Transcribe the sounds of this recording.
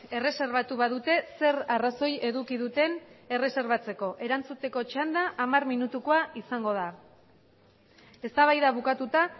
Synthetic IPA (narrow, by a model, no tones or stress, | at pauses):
e̞re̞se̞ɾβ̞at̪uβaðut̪e̞se̞raraso̞je̞ðukiðut̪e̞ne̞re̞se̞ɾβat͡se̞ko̞ʔe̞ɾant͡sut̪e̞ko̞t͡ʃand̪aʔːmarminut̪uko̞aisaŋɡo̞ð̞a | e̞st̪aβ̞ajðaβ̞ukat̪ut̪a